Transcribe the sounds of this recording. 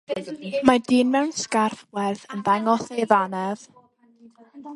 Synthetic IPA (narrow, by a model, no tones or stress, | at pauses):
madiːnmɛwnskarfwɛrðənðaŋɔθejðanɛv̥